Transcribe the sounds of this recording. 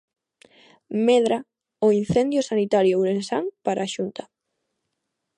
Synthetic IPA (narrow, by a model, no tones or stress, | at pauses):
mɛðɾa | ʊin̟θɛnd̪jʊsanit̪aɾjowɾensaŋpaɾaʃunt̪a